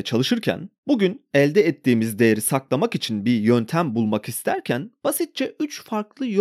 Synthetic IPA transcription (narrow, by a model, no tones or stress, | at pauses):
t͡ʃʰalˠɯʃɯɾcʰæ̰nbuɟynɛlʲd̪ɛɛt̪ʰːiːmizd̪e̞jeɾisaklˠamakit͡ʃʰinbiɾjønt̪ʰæmbulˠmakist̪ʰæɾcʰænb̥asit̪̚t͡ʃʰɛʔyt͡ʃfaɾklˠɯj